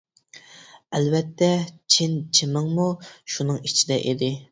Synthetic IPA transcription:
ɛlvɛt̪ːɛt͡ʃʰint͡ʃʰimɨŋmuʃunɨŋit͡ʃʰid̪ɛʔid̪ɪ

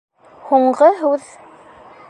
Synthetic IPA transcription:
huɴɢɤɦʉð

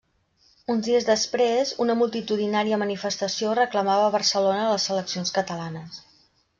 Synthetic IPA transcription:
unzðiəzðəspɾezunəmulˠt̪it̪uðinaɾiəmənifəst̪əsiorəkləmaβəːβərsəlonəːləsələksionskət̪əlanəs

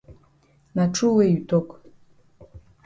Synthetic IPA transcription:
naʈ͡ʂʰuweɥt̪ʰʼokʼ

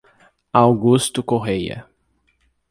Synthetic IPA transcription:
awɡust̪ʊkoɦejɐ̰

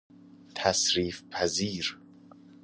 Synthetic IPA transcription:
t̪ʰæsɾiːfpʰæziːɾ

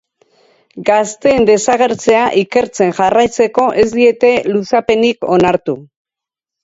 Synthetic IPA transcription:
ɡast̪e̞ːnd̪e̞saɣe̞ɾt͡se̞aʔike̞ɾt͡se̞nʝarajt͡se̞ko̞ʔe̞zd̪ie̞t̪e̞lusape̞niko̞naɾt̪u

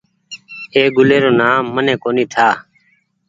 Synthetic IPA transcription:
eːɡʊleːɾoːnaːmːənẽːkoːniːt̪ʰaː

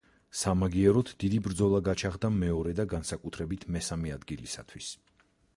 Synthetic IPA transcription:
samaɡiɛɾɔt̪ʰd̪̥id̪ibɾd̪zɔlˠaɡat͡ʃʰaʁd̪amɛɔɾɛd̪aɡansakʼut̪ʰɾɛbit̪ʰmɛsamɛad̪ɡilisa̰t̪ʰwis

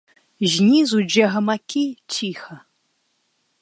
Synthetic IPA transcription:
ʑnʲizud͡ʒɛɦɐmakʲʰit͡ɕʲʰixɐ

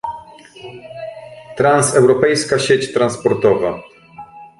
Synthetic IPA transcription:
t̪ɾansɛwɾɔpɛjskaɕet͡ɕt̪ɾanspɔɾt̪ɔva̰

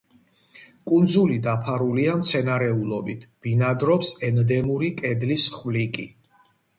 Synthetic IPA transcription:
kʼund̪zulid̪apʰaɾuliamt̪sʰɛnaɾɛulˠɔbit̪ʰb̥inad̪ɾɔpsɛnd̪ɛmuɾikʼɛd̪lisχvlikʼi

